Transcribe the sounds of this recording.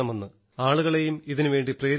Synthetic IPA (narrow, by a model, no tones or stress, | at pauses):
ɐmenːɨ | aːɭuɣɐɭe̞jumiðinuʋe̞ːɳɖipreːɾ